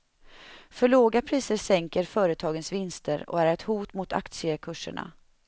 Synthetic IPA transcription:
fœɭoːɡapʰɾiːsəɾsɛŋkəɾfœːɾət̪ʰɑːɡənsvɪnst̪ʰəɾɔ̰æɾɛt̪huːt̪mʊt̪ʰa̰kt̪sɪəkʰɵʂːə̰ɳa̰

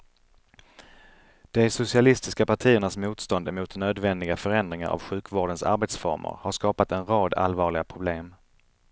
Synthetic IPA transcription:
d̪̥ɛsʊsɪalɪst̪ɪskapaʈʰiːəɳasmuːt̪st̪ɔnd̪ɛmuːt̪nøːd̪vɛnd̪ɪɡafœɾɛnd̪ɾɪŋa̰ɾa̰vɧʉ̟ːkvoːɖənsa̰ɾbeːt̪sfɔ̰ɾmʊ̰ɾhaʂkɑːpat̪ɛnɾɑːd̪a̰lvɑːɭɪɡapʰɾʊbleːm

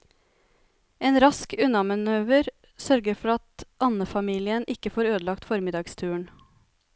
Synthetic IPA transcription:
ʔeːnɾɑskʉnɑmɑnøːʋəɾ | sœɾɡəɾfɔɾɑt̪ʔɑnəfɑmiːlɪənʔɪkəfoːɾøːd̪əlɑkt̪fɔɾmɪd̪ɑːɡst̪ʰʉːəɳ

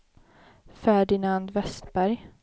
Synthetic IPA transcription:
fæɖɪnand̪vɛst̪bæɾj

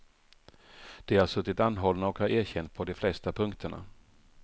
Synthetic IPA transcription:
d̪̥ɛhaʂɵt̪ːɪt̪anːɦɔlnaɔkhaɾæːɾɕɛnt̪̚pʰɔd̪ɔflɛst̪apʰɵŋkt̪ʰəɳa̰

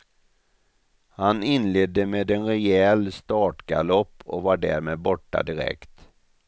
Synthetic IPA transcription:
hanɪnleːd̪ːəmeːd̪ɛnɾɛjɛlst̪ɑːʈɡalɔpːɔ̰kvaɖæ̰ːɾmeːd̪̚bɔʈːa̰d̪ɪɾɛ̰kt̪

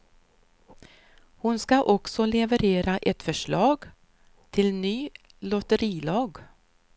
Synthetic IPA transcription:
hʊnskaʔɔksɔlɛvəɾeːɾaʔɛt̪fœʂɭɑːɡ | t̪ʰɪlnyː | lɔt̪əɾiːlɑːɡ

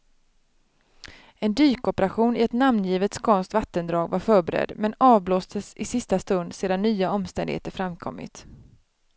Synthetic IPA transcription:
ɛnd̪yːkɔpəɾaɧuːnɪɛt̪namnjiːvət̪skʰɔnst̪vat̪ːənd̪ɾɑːɡvaɾfœːɾbɛɾɛ̰d̪mɛnɑːvbloːsd̪əsɪsɪst̪ast̪ɵnd̪seːd̪anːyːaɔmst̪ɛnd̪ɪɡhḛːt̪əɾfɾamkʰɔ̰mːɪ̰t̪

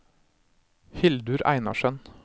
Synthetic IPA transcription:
hɪld̪ʉɾʔæ̰ɪnɑ̰ʃœn

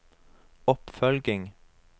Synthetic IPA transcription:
ɔpfœlɡɪŋ

